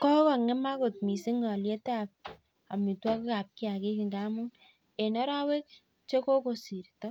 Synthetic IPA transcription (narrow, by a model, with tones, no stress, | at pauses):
kɔ˦kɔ˨ŋɛ˦ma˦ko˨t̚mi˨si˦ŋɔ˨lje˦ta˨p̚ | a˨mi˨twɔ˦kka˨p̚ki˦a˨ke˦ki˨ŋɡa˦mʊ˦ŋ | e˨nɔ˦ɾa˦we˦k̚ | t͡ʃe˦ko˦ko˦si˨ɾtɔ˦